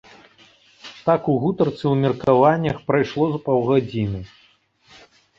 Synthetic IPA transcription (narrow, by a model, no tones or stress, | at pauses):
t̪akuɣut̪ɐrt̪sɨwmʲirkavanʲːɐxpɾajʂlˠɔzpawɣad͡zʲinɨ